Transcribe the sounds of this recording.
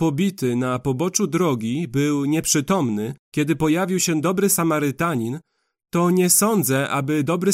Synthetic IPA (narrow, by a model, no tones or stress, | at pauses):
pɔbʲit̪ɘnapɔbɔt͡ʂud̪ɾɔɡʲibɘwɲɛpʂɘt̪ɔmnɘkʲɛd̪ɘpɔjavʲiwɕɛd̪ɔbɾɘsamaɾɘt̪aɲin | t̪ɔɲɛsɔnd̪zɛʔa̰bɘd̪ɔbɾɘ